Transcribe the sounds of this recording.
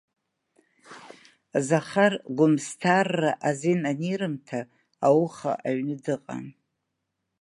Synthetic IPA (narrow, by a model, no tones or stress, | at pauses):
zaχarɡʷʊmstʰarːaʔazinanirɨmtʰa | awχa̰ʔaɥnɨdɨqʼa̰n